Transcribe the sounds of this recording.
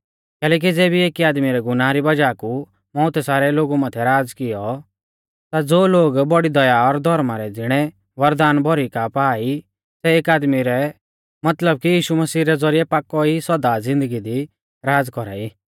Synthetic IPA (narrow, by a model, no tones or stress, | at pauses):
kɛːlɛːk̬id͡zɛːbieːkiaːd̪miɾɛɡʊnãːɾibɐd͡ʒaːku | mɔ̃ːt̪ɛsaːɾɛloːɡumãt̪ʰɛɾaːd͡zkɪjɔ | t̪ad͡zoːloːɡbɔɽid̪ɐjaɔɾd̪ʱɔɾmaɾɛd͡zɪɽ̃ɛ | ʋɐɾd̪aːnbʱɔɾikapaːi | sɛeːkaːd̪miɾɛ | mɐt̪ləb̚kijiːʃumɐsiːɾɛd͡zɔɾijɛpaːkːɔiswɐd̪ad͡zɪ̃nd̪əɡid̪i | ɾaːd͡zkɔɾa̰ːiː